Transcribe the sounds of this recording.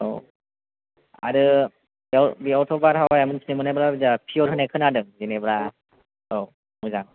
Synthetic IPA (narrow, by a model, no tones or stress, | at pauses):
o̰ | a̰ɾɯ | biabiɔwtʰɔbaɾawajamɯnsʰinimɯnabɾabizapʰijɔɾɦɯnekʰɯnadɯŋzinebɾa | o | muzaŋ